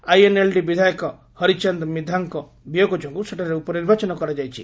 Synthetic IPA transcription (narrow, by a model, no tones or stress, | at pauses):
ajenelɖibid̪ʱajɔkɔ | hɔɾit͡ʃand̪mid̪ʱaŋkɔ | bijoɡɔd͡ʒɔŋkuseʈʰaɾeupɔniɾbʱat͡ʃɔnɔkɔɾad͡ʒajt͡ʃʰḭ